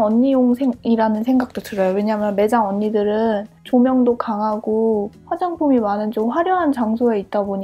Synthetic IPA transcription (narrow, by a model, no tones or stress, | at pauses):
ʌɲːijoŋsʰeŋiɾanɯnsʰe̞ŋɡak̚t͈otɯɾʌjowe̞ɲaɦmjʌnme̞d͡ʑaŋʌɲːidɯɾɯnt͡ɕomjʌŋdokaŋɦaɡoɸwad͡ʑaŋpʰumimanɯnt͡ɕomɸwaɾjʌɦant͡ɕaŋsʰoe̞it̚t͈aboɲi